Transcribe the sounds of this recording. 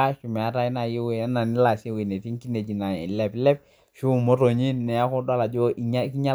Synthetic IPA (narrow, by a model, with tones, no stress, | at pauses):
a˦ʃu˨mɛ˨a˦ɾa˦i˦na˨ji˦we˨a˦na˨ni˦la˨si˦wi˨ne˨ti˦ŋ˦ki˦ne˨d͡ʒi˨na̰˨lɛ˨plɛ˦p̚ | ʃu˦˨mo˦ɾo˨ɲi˦nːɛ˨a˦kɔ˦da˦la˨d͡ʒo˦ʔi˦ɲa˦ki˦ɲa˦